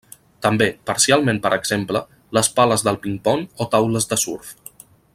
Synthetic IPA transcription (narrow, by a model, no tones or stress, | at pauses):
t̪əmbepəɾsialˠmẽmpəɾʔəɡz̥emplə | ləspaləzðəlˠpiŋpɔnot̪awləzðəsuɾf